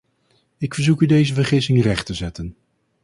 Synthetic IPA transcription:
ɪkfəɹzukydejzəvəɹχɪsɪŋərɛχtəzɛtən

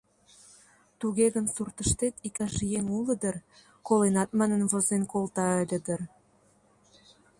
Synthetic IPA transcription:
t̪uɣeɣənsurt̪ə̆ʃt̪et̪ikɑʒijeŋuləd̪ər | kolenɑt̪̚mɑnə̆nβozenkolt̪ɑəlʲə̆d̪ə̆r

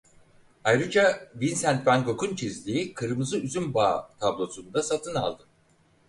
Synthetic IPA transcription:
ajɾɯd͡ʒabinsænt̪bænko̞kunt͡ʃʰizlʲiikʰɯɾɯmɯzɯyzynbaːt̪ʰablˠo̞sund̪asat̪ʰɯna̰lˠd̪ɯ

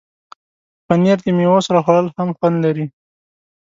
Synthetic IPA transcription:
paneɾd̪emewosɾaxwaɽəlhamxwand̪laɾi

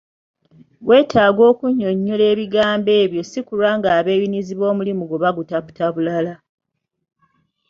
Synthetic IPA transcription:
ɡwe̞ːtʰaːɡo̞ːkuɲːo̞ɲːole̞ːβiɡaːmbe̞ːβjo̞sikuɾaŋɡaːβe̞ːβiniziβo̞ːmulimuɡoβaɡutaβu̥taβulala

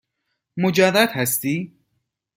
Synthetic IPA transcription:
mod͡ʒæd̪æd̪hæst̪iː

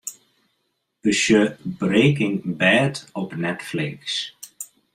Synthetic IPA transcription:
əsjəbreːkɪŋbɛːtɔpnɛtflɪks

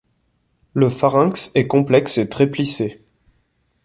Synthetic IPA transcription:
ləfaʁɛ̃ksɛkɔ̃plɛkset̪χɛplise

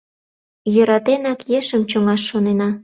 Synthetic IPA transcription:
jø̆ɾɑt̪enɑkjeʃəmt͡ɕoŋɑʃːonenɑ

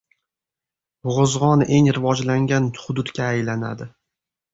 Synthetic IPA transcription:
ʊʁʊzʁɒnʔe̞ŋɾɪvɒd͡ʒlaŋʲanχʊd̪ʊt̪kʲaːjlana̰d̪ɪ

